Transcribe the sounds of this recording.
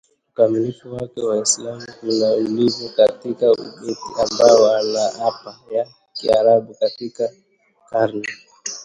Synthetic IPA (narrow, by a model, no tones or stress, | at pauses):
ukamilifuwakɛwaislamukunaulivukatikaṵɓɛtiambaɔwanaapaja | kiaɾaɓukatika | kaɾnɛ